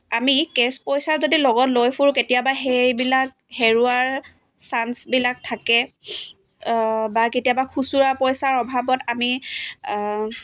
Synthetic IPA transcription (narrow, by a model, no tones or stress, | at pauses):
amikespɔjsaɹzodilɔɡɔtlojpʰuɹuketijabaɦejbilak̚ | heɹuaɹ | sansbilak̚tʰakɛ | baketijabaxusuɹapɔjsaɹɔbʱabɔtami